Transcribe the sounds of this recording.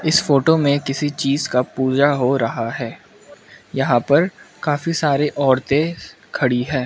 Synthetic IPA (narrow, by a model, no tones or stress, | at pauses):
ɪsfoːʈomẽkɪsit͡ʃiːzkapuːd͡ʒaɦoɾɐɦaɦɛː | jɐɦãpɐɾkaːfisaːɾeʔɔːɾt̪ẽ | kʰɐɽiɦɛ̃ː